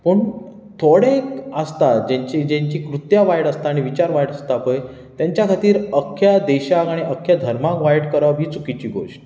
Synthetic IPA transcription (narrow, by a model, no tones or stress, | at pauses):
pəɳ | t̪ʰoɽekəst̪ad͡ʑeɲt͡ɕid͡ʑẽɲt͡ɕiːkɾut̪jaʋajɽəst̪aːɽ̃iʋit͡ɕaɾʋajɽəst̪apəj | t̪jaɲt͡ɕjakʰat̪iːɾəkʰːjad̪ɛɕakaɽ̃iʔəkʰːjad̪ʱəɾmakʋajʈkəɾaʋiːt͡sukit͡ɕiːɡʱo̰ɕ